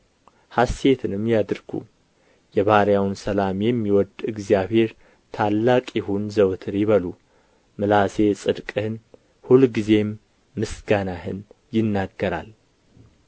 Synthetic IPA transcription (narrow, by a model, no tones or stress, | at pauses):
hasːe̞t̪ʰɨnɨmjad̪ɨɾɡ̥ṵ | jɛβaɾjawnsəlamjɛmːiwɔd̪ɨɡzijaβhe̞ɾ | t̪ʰalːakʼjɪhunzəwt̪ʰɨɾjɪβəlu | mɨlase̞sʼɨd̪kʼɨhɨn | hulɡize̞mː | ɨsɡanahɨn | jɪnːaɡːəɾa̰l